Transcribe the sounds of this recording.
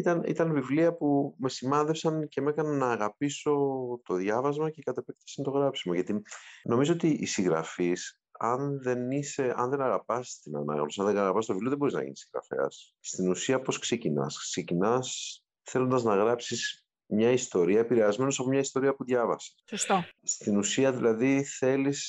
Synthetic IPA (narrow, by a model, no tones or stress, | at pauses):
it̪ɐnḭt̪ɐnvivliɐpume̞simɐnðe̞fsɐnce̞me̞kɐnɐnɐːɣɐpiso̞t̪o̞ðʝɐvɐzmɐce̞kɐt̪epekt̪ɐ̥sɐnt̪o̞ɣɾɐpsi̥moʝɐt̪ino̞mizoot̪iʔːsiɣɾɐ̰fis | ɐnðe̞nise̞ɐ̰nðe̞nɐɣɐpɐst̪inɐ̰nɐ̰ɣno̞siɐnðeɐɣɐpɐst̪ovivlioðebo̞ɾiznɐ̰ʝḭnisiŋɣɾɐ̰fe̞̰ɐ̰sː | t̪inusiɐpo̞skse̞cinɐ̰skse̞cinɐs | θelo̞nd̪ɐznɐɣɾɐpsis | mɲɐist̪o̞ɾiɐepiɾeɐzme̞no̞sɐpo̞mɲɐist̪o̞ɾiɐpuðʝɐvɐse̥sost̪ost̪inusiɐðilɐðiθe̞lis